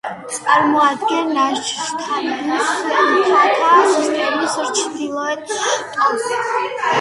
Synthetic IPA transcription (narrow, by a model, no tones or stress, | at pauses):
t̪sʼaɾmɔad̪ɡɛnːat͡ʃʰi̥ʃt̪ʰanaχnisamt̪ʰat̪ʰasist̪ʼɛmisɾt͡ʃʰd̪ilˠɔɛt̪ʼas